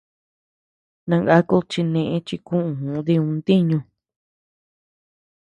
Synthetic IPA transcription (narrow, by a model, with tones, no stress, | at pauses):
nã˧ŋɡa˦ku˦t͡ʃi˧nẽ˧ʔẽ˧t͡ʃi˧kũ˦ʔũ˨ũ˧˦ði˧ũ˧nd̪i˦ɲũ˧